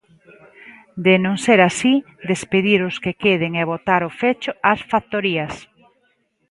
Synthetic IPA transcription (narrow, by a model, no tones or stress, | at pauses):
d̪enõŋseɾasi | d̪espeðiɾʊskekeðeŋeβot̪aɾofet͡ʃoasfakt̪oɾiɐs